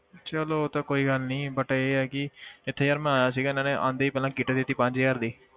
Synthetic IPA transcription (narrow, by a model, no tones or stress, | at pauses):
t͡ʃəloːt̪aːkoːiːɡəlnĩːbəʈːeːɛːkɪɪt̪ʰːeːjaːɾmɛ̃ːaːjaːs̬iːɡaːnãːneːʔã̰ːnd̪eːipɛːlãːkiːʈeːd̪ɪt̪ːiːpãɲd͡ʒiːaːɾd̪iː